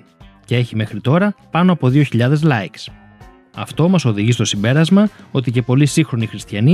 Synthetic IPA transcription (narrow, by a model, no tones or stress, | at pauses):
cee̞çime̞xɾit̪o̞ɾɐpɐno̞ɐpo̞ðioçiʎɐðe̞zlɐeks | ɐ̰ft̪o̞mɐso̞ðiʝist̪o̞simbe̞ɾɐzmɐo̞t̪ice̞po̞lisiŋxɾo̞nixɾist̪çɐni